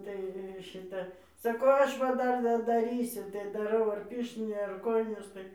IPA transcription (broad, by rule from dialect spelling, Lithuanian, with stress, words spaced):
tɐɪ ˈʃʲɪtɐ sɐˈkɐʊ ˈɐʃ ʋɐ ˈdɐr dɐdɐˈrʲiːsʲʊ tɐɪ dɐˈrɐʊ ɐr ˈpʲɪrʲʃʲtʲɪnʲeː ɐr ˈkoːjɪnʲeːs tɐɪ